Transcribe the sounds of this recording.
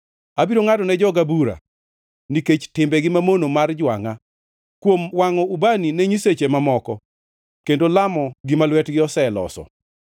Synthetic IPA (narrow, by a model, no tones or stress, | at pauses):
abiɾoŋatɔnɛd͡ʒɔɡabuɾa̰ | niket͡ʃtɪmbɛɡɪmamonomard͡ʒwa̰ŋa | kwomwaŋɔubaninɛɲiset͡ʃemamɔkɔ | kendolamɔɡɪmalwɛtɡɪɔsɛlɔ̰sɔ̰